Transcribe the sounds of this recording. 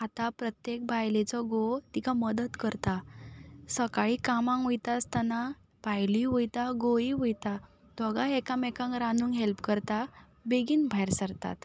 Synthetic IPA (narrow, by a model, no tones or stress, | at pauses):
at̪apɾət̪jek̚bʱajlet͡sɔɡot̪ikʰaməd̪ət̪kəɾt̪a | səkaɭikamãŋʋujt̪ast̪ana | pajliʋojt̪aɡoiʋujt̪a | d̪ʱɔɡaɛkãmɛkãŋkɾanuːŋɦelpkəɾt̪a | beɡiːnbʱajɾsəɾt̪a̰t̪